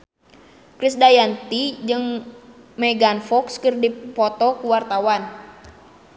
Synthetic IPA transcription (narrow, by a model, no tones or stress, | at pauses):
kɾisdajant̪id͡ʒɨŋ | mɛɡanfɔkskɨrdipɔt̪ɔkuwart̪awan